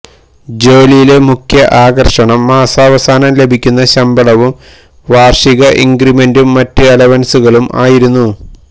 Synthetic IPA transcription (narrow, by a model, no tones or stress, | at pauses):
d͡ʑoːlijile̞mukʰjɐʔaːɣɐrʂɐɳɐmːaːsaːʋɐsaːnɐmle̞bʱikʲːun̪ːɐɕɐmbɐɭɐʋum | ʋaːrʂiɣɐʔiŋɡɾime̞ndumːɐtːɨɐlɐʋɐnsuɣɐɭumʔa̰ːjiɾunːu